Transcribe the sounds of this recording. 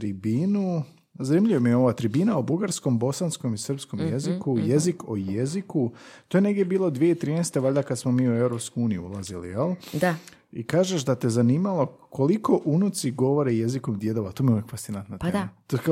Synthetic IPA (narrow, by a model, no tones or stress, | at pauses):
t̪ɾibiːnu | zanimʎiʋomijeo̞ʋat̪ɾibinaobuɡaɾsko̞mbo̞sansko̞misr̩psko̞mjezikuje̞zikojezikut̪ojene̞ɡd̪ʲjebiːlˠo̞d̪ʋijeit̪ɾiːnest̪eʋaʎd̪akad̪smomiːue̞ʋɾo̞pskuuːnijṵṵlˠazilḭjelˠa | ikaːʒeʃd̪at̪ezaniːmalokʰoliko̞ʔunut̪siɡo̞ʋoɾeje̞zikomd̪je̞d̪oʋat̪omeuʋjekfassinant̪noat̪emat̪o